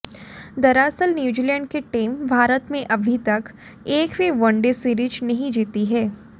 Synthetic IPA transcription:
d̪ɐɾaːsəlnjuːd͡ʒiːlɛ̃ːɳɖ̚keʈiːmbʱaːɾət̪mẽʔɐbʱit̪ɐk | eːkbʱiʋɐ̃ɳɖesiːɾid͡ʒnɐɦĩd͡ʒiːt̪iɦɛː

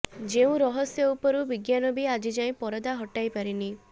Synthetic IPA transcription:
d͡ʒeũɾɔɦɔsjɔupɔɾubiɡjanɔbiad͡ʒid͡ʒaĩpɔɾɔd̪aɦɔʈajpaɾini

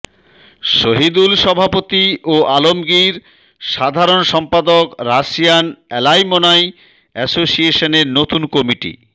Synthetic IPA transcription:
ʃoɦid̪ulʃɔbʱapot̪ioʔalomɡiɾ | ʃad̪ʱaɾonʃɔmpad̪okɾaʃijanɛlajmonaj | ɛsosieʃoneɾnot̪unkɔmiʈḭ

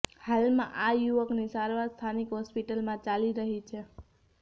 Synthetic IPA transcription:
halmã̰ʔajuʋəknisaɾʋaɾst̪ʰanikɦɔspiʈəlmãt͡ʃaliɾəɦit͡ʃʰe

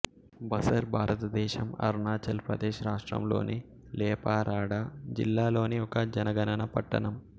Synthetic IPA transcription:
bɐsɐɾbʱaːɾɐt̪ɐd̪ɛːʃɐmɐ̰ɾnaːt͡ʃɐlpɾɐ̰d̪ɛːʃɐɾaːʂʈɾɐ̰mlo̞̰ːni | lɛːpaːɾaːɽad͡ʒḭlːaːlo̞ːniɔkɐd͡ʒɐnɐɡɐnɐnɐpɐ̰ʈːɐ̰nɐm

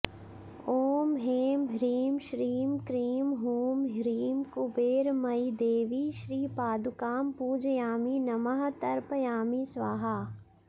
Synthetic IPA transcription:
oːmɦeːmɾiːmʃɾiːmkɾiːmɦuːmɦɾiːmkubeːɾmɐid̪eːʋiːʃɾiːpaːd̪ukaːmpuːd͡ʒjaːminɐməɦt̪ɐɾpjaːmisʋaːɦa

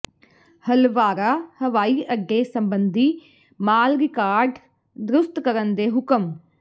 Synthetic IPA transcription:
həlʋaːɾaːhəʋaːiːʔəɡːeːsəmbənd̪iː | maːlɾɪkaːɾɖ | d̪ɾʊst̪kəɾənd̪eːɦʊkəm

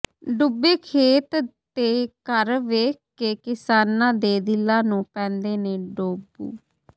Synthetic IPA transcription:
ɖʊbeːkʰeːt̪t̪eːkəɾʋeːkː | eːkɪsaːnãːd̪eːd̪ɪlːaːnũːpɛ̃ːnd̪eːnẽːɖoːbṵː

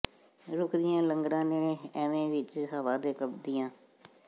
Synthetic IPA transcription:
ɾʊkʰd̪ɪjãːləŋɡɾãːnenẽːɛːʋẽːʋɪt͡ʃɦəʋaːd̪eːkəpd̪ɪjãː

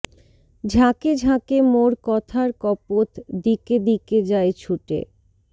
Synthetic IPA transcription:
d͡ʑʱaked͡ʑʱakemoɾkɔt̪ʰaɾkɔpot̪d̪iked̪iked͡ʑaet͡ɕʰuʈḛ

